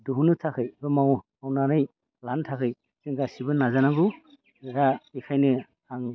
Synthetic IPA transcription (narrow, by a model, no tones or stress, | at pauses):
duɦunɯtʰakʰɯjbɯmaw | awnanɯj | lantʰakʰɯj | zɯŋɡasibɯnːazanaɡu | ɡaikʰajnɯ | aŋ